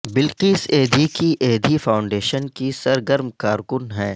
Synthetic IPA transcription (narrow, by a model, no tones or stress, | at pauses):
bɪlqiːseːd̪ʱikiʔeːd̪ʱifaːʊ̃ɳɖeːʃənkisɐɾɡəɾmkaːɾkʊnɦɛ̃ː